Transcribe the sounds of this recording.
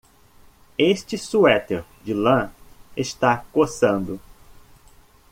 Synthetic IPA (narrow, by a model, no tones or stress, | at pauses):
eʃt͡ʃɪsuɛt̪eɾd͡ʒɪlɐ̃est̪akosɐ̃nd̪ʊ